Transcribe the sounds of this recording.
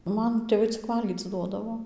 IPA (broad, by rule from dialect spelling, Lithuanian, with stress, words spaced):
ˈmɐn tʲeːˈʋɐɪ t͡sʲɪk ˈʋɐlʲɡʲiːt͡s ˈduɔdɐʋoː